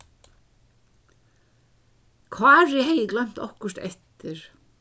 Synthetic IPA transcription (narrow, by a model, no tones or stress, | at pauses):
kʰvaːɾɪɦejɪklaɥm̥t̪ɔ̰hkʏr̥t̪ɛ̰ht̪ɪɾ̥